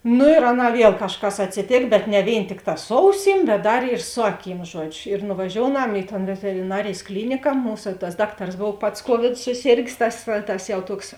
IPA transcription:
ˈnʊ ɪr ˈɑːˌnɑː ˈʋʲiɛlˠ kɐʃˈkɐs ɐtʲsʲɪˈtʲeːk bʲɛt nʲɛ ˈʋʲeːɪn ˈtʲɪkˌtɑː ˈsʊ ɐʊˌsʲiːm bʲɛt ˈdɐr ɪr ˈsʊ ɐˌkʲiːm ˈʒuɔd͡ʒʲʊ ɪr nʊʋɐˈʒʲoːʊˌnɐm ɪ toːn ʋʲɛtʲɛrʲɪˈnɑːrʲeːjs ˈklʲiːnʲɪkɐ ˈmuːsɐ tɐs ˈdɑːkˌtɐrs ˈboːw ˈpɐts ˈkuɔʋʲɪdʊ sʊˈsʲeːrʲɡʲeːs ˈtɐs tɐs jɛʊ ˈtuɔks

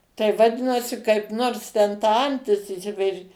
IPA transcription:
tɐɪ ʋɐˈdʲɪnɐsʲɪ kɐɪp ˈnoːrs tʲɛn tɐ ˈɐnʲtʲɪs ɪʃʲˈsʲɪpʲɛrʲɪ

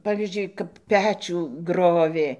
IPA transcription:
ˈpɑːʋʲiːzʲd͡ʒʲʊɪ kɐp ˈpʲæːt͡ʃʲuː ˈɡroːʋʲeː

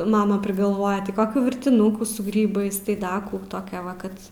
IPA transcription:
ˈmɑːmɐ pʲrʲɪɡɐlˠˈʋoːjɛ tʲɪ ˈkoːkʲuː ʋʲɪrʲtʲɪˈnʊkuː sʊ ˈɡrʲiːbɐɪs tɐɪ ˈdɐ kuː tɐˈkʲɛ ˈʋɐ ˈkɐt

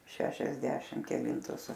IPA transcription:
ʃʲɛʃʲɛzʲˈdʲæːʃʲɪm kʲɛˈlʲɪntʊs

